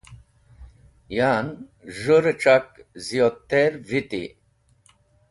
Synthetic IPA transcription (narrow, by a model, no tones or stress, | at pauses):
janʒuɾeʈ͡ʂakzijot̪ːeɾvit̪ḭ